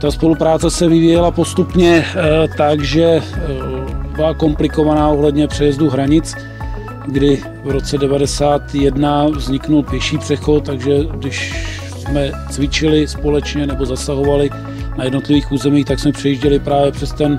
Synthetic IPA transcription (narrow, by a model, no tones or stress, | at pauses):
t̪aspo̞lupɾaːt͡sɛsɛvɪviːjɛlapo̞st̪upɲɛt̪aɡʒɛ | bɪlako̞mplɪko̞vanaːoɦlɛdɲɛpr̝̥ɛjɛzduɦɾaɲɪt͡s | ɡdɪ | vɾo̞t͡sɛdɛvadɛsaːt̪jɛdnavzɲɪknulpjɛʃiːpr̝̥ɛxo̞t̪̚t̪ːaɡʒɛɡdɪʃ | smɛ | t͡svɪt͡ʃɪlɪspo̞lɛt͡ʃɲɛnɛbo̞zasaɦo̞valɪ | najɛdno̞t̪lɪviːxuːzɛmiːxt̪aksmɛpr̥ɛjiʒɟɛlɪpɾaːvjɛpr̥ɛst̪ɛn